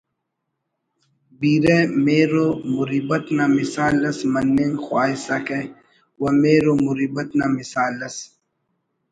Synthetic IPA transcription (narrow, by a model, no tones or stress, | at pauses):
biːɾemeːɾomʊɾiːbɐt̪namisaːlɐsmɐnːeːŋxwaːisɐke | wɐmeːɾomʊɾiːbɐt̪namisaːlːɐs